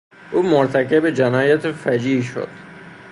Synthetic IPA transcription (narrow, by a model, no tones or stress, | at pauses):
ʔuːmoɾt̪ʰækʰebed͡ʒænɒːjæt̪ʰefæd͡ʒiːʃo̰d̪̥